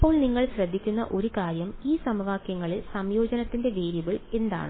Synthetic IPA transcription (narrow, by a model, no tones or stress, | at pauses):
pːo̞ːɭniŋːɐɭɕrɐd̪ʱːikʲːunːɐ̰ʔo̞ɾukaːɾjɐmiːsɐmʋaːkjɐŋːɐɭilsɐmjo̞ːd͡ʑɐnɐt̪ːinde̞ʋeːɾjuʋiɭe̞nd̪a̰ːɳɨ